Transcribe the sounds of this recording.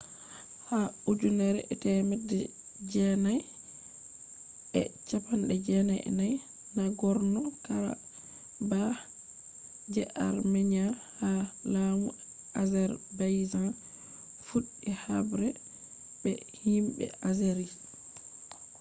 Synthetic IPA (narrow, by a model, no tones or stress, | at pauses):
haud͡ʒunɛɾɛ̰ʔɛtɛmɛdɛ | d͡ʒɛnaj | ʔɛ̰t͡ʃapanɗɛd͡ʒɛnajʔɛ̰naj | naɡɔɾnɔkaɾa̰ | ba | d͡ʒɛʔaɾmɛɲahalamu | ʔazɛɾbajza | fuɗːihabɾɛ | bɛ | himbɛ̰ʔazɛɾi